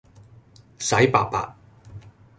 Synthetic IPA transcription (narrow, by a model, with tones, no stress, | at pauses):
sɐ˨˥jpaː˧k̚pa̰ː˧t̚